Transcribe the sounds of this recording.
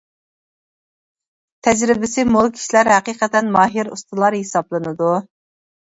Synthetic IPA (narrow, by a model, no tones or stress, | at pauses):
t̪ʰɛd͡ʒɾɪbɪsɪmolˠkʲʰi̥ʃilæɾɦæqiːqət̪ɛnmɑːɦiɾṵst̪ɨlˠɑɾhesɑblˠɨnɨd̪u